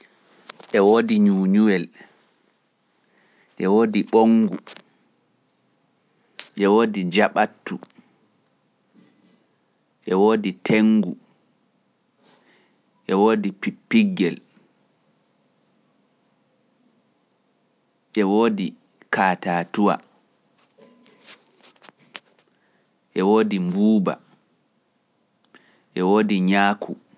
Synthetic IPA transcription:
ʔɛwoːdiɲuːɲuwɛl | ʔɛwoːdiɓoŋɡu | ʔɛwoːdid͡ʒaɓatːu | ʔɛwoːditʰeŋɡu | ʔɛwoːdipipːiɡːɛl | ʔɛwoːdi | kʰaːtaːtuwa̰ | ʔɛwoːdimbuːba̰ | ʔɛwoːdiɲaːkʰu

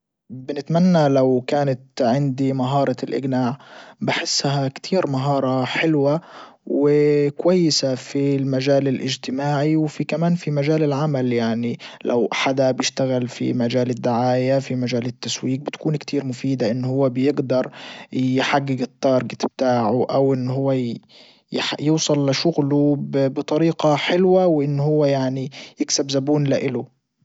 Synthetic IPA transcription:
bɪnɪt̪manːalawkaːnat̪ʕɪnd̪imaɦɑːɾˤɑlʔɪ̰ɡnaːʕbɪħɪsːhakt̪ʰiːɾmaɦɑːɾˤɑħɪlwa | wɪkwajːɪsafilmaʒaːlɪlʔɪ̰d͡ʒt̪ɪmaːʕiwfikamaːnfimaʒaːlɪlʕamaljaʕnilʔa̰wħad̪abjɪʃt̪aɣɪlfḭmad͡ʒaːlɪd̪ːʊʕaːjafimaʒaːlɪt̪ːaswiːk̚bɪt̪kuːnkt̪ʰiːɾmʊfiːd̪aʔɪnːhʊwːabɪjɪɡd̪ɑɾˤjħaɡːɪɡɨt̪ˤːɑːɾˤɡɪt̪ɪb̚t̪aːʕʊʔawʔɪnːhʊwːa | jħjuːsˤɑlːɪʃʊɣlubbɪt̪ˤɑɾiːqɑħɪlwawʔɪnːhʊwːajaʕnijɪksabzabuːnlɪʔɪlʊ

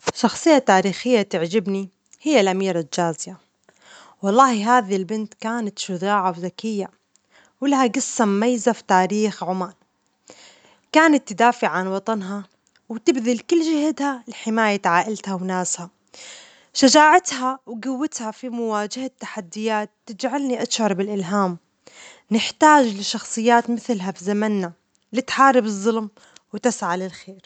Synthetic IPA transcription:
ʃɑxsˤɨjːat̪ːaːɾiːxɪjːat̪ɪʕd͡ʒɪbni | hɪjːalʔamiːɾald͡ʒaːzɪja | wɑlˤːɑːhiɦaːðilbɪnt̪kaːnat̪ʃʊðaːʕawzakɪjːa | wɪlahaɡasːammajzafi̥t̪aːɾiːxʕʊmaːl | kaːnat̪ːɪd̪aːfɪʕanwɑt̪ˤɑnɦa | wt̪ɪbðɪlkʊlːd͡ʒɪhad̪halħɪmaːjat̪ʕaːʔɪlt̪hawnaːsha | ʃad͡ʒaːʕat̪hawɡawːɪt̪hafimʊwaːd͡ʒɪhat̪ːḁħad̪ːɪjaːt̪ːɪd͡ʒʕalniʔaʃhɑɾˤbɪlʔɪlɦaːm | nɪħt̪aːd͡ʒlɪʃɑxsˤɨjːaːt̪mɪθlɦafizamanːa | lit̪ħɑːɾˤɪbɨzˤːʊlm | wt̪ɪsʕalɪlxeːɾ

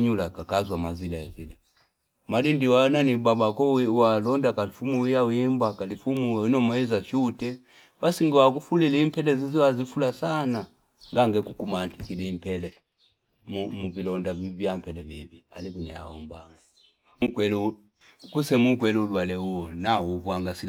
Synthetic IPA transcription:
ɲulakakazwamazilaazila | malindiwananibabakɔwalɔndakalifumuwijawiimbakalifumuinɔmaɛzaʃutɛ | basiŋɡiwakufulɛlɛimpɛlɛziziwazifulasana | ŋɡaŋɡɛkukumantikilɛimpɛlɛ | mumuvilɔndaivjampɛlɛvivia̰likunɛ̰ja̰ɔ̰mbaŋɡa | mukwɛlu | kusɛmukwɛluulwalɛuɔnauvwaŋɡasi

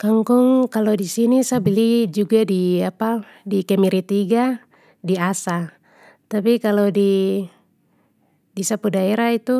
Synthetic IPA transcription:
kaŋkuŋkalɔdisinisabilid͡ʒuɡadiapa | dikɛmiɾit̪iɡa | diasa | t̪apikalɔdi | disapudaɛɾait̪u

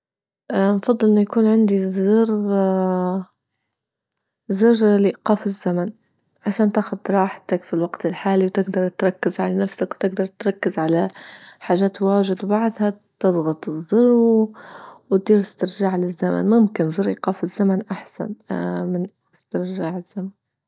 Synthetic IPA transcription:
ʔnfɑd̪ˤːɨlʔɪnːujakuːnʕɪnd̪izɪr | zʊrlɪʔqɑːfɪzːaman | ʕaʃaːnt̪aːxʊd̪̚t̪ɾˤɑːħt̪akfilwaɡt̪ɪlħaːliwt̪ɪɡd̪ɑɾˤt̪ɾˤɑkːɪzʕalanafsakwt̪ɪɡ̚d̪ɑɾˤt̪ɾˤɑkːɪzʕalaħaːʒaːt̪waːʒɪd̪wbaʕd̪ˤha | t̪ɨdˤɣɑt̪ˤɨzːɑrˤw | wt̪̚d̪iːɾɪst̪ɪɾʒaːʕlɪzːama̰nmʊmkɪnzɪɾˤʔiqɑːfɪzːamanʔaħsa̰nmɪn | ɪst̪ɪɾʒaːʕɪz̥ːaman

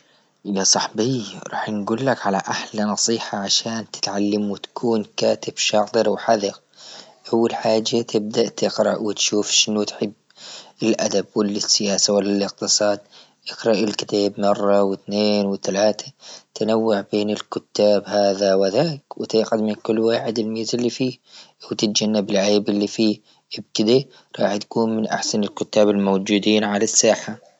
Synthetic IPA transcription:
jasˤɑħbiːɾˤɑ̰ːħnɡuːlːakʕalaʔaħlanɑsˤiːħɑʕaʃaːnt̪ɪ̥t̪ʕalːamwɪt̪ḁkʰuːnkaːt̪ɪb̥ʃɑʕt̪ˤɨɾwħaðɪɣ | ʔawːalħaːd͡ʒːat̪ʰɪb̚d̪aʔt̪ɪqɾˤɑʔwɪt̪ʃuːfʃɪnʊt̪ħɪbːɪlʔad̪abwɪlːɪsːɪjaːsawalːalɪq̚t̪ɨsˤɑːd̪̚ | ʔɪkɾˤɑʔɪlkɪ̥t̪aːbmɑrˤːɑwɪt̪neːnwɪt̪alaːt̪ʰat̪anawːaʕbeːnɪlkʊt̪ːaːbhaːðawɪðaːkwɪt̪ɪːqad̪mɪnkʊlːwaːħɪd̪ɪlmiːzɪlːifiːwt̪ɪt̪̚d͡ʒanːabɪlʕeːbɪlːifiː | ʔɪb̚kɪd̪a | ɾˤɑːħt̪kuːnmɪnʔa̰ħsanɪlkʊt̪ːaːbɪlmowd͡ʒuːd̪iːnʕalasːaːħa

